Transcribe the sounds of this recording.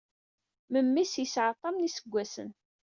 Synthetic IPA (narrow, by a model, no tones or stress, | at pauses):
məmːisjəsʕət̪ˤːɑmnisəɡʷːæsə̰n